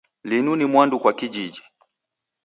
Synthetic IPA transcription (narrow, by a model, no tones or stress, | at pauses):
linunimwandukwakid͡ʒid͡ʒi